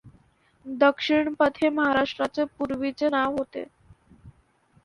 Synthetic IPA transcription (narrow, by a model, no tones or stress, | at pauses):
d̪əkʂiɳpət̪ʰeməɦaɾaʂʈɾat͡sepuɾʋit͡senaɦot̪ḛ